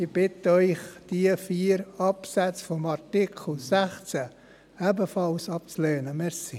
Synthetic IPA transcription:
ib̥ɪtəœʏχd̥iəfiːəɾɑpsæt͡sfɔmɑɾtikʰl̩sæχt͡sæ | æbəfɑlsɑp̚t͡sløːnəmɛɾsi

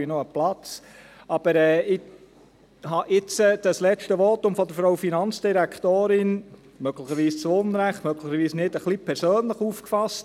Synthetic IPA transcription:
inɔəplɑt͡s | ɑb̥əɾɛːɪ | hɑʔɪt͡səd̥̪əslɛt͡ʃtəʋɔtʊmfɔd̪əɾfɾɔwfinɑnt͡sd̥iɾækt̪oːɾɪn | mœɡləχəɾʋiːst͡sonɾæχtmœɡləχəɾʋiːsnɪdəχlipʰɛɾsøːnləχuːfkfɑst

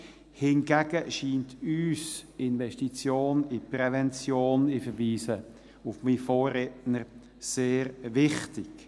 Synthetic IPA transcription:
hɪnɡæɡ̥əʃiːntyːsɪnʋɛʃtit͡sjoːnɪpɾɛvɛnt͡sjoːnɪfəɾʋiːsə | ʊfmifoːrɛtnəɾ | seːɾvɪχtɪk

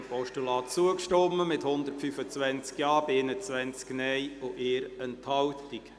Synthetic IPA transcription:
pɔʃtulɑːt͡suəkʃtɔmːəmɪthʊnd̪ərtfyfət͡sʋɛnt͡skjɑːb̥ɪenət͡sʋɛnt͡sknɛjʊʔɪːɾɛnthɑwtik

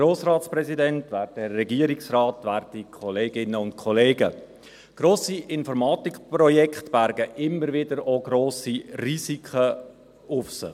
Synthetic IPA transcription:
ɾoːsrɑːtsprɛsidɛntvæːɾd̚dərːɛɡiːɾiksrɑːtvæːɾttikʰɔleːɡɪnəʊnt̚kʰɔleːɡə̰ | ɡ̥ɾoːsiʔɪnfɔɾmɑːtikprɔjɛkχtb̥æɾɡəʔɪmːəɾvɪdəɾoɡɾoːsiriːsikʰə | ʊfsə̰

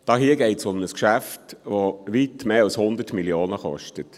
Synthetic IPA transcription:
d̥ɑːɦiːəɡeɪtsʊmnəskʃæftʋoʋitmeːɑlshʊnd̪ətmiljoːnəχɔ̰ʃtət

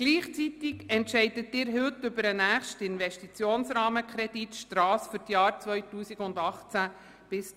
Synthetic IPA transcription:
ɡ̥liːχt͡sit̪ɪɡɛntʃɛɪdətːɪːɾɦʏtːʏbəɾənæːχʃtɪnvɛʃtit͡sjoːnsɾɑːməkʰɾɛd̥itʃtɾɑːsfʏɾtjɑːɾt͡sʋœʏtuːsiɡʊndɑχt͡sæ | b̥ɪs

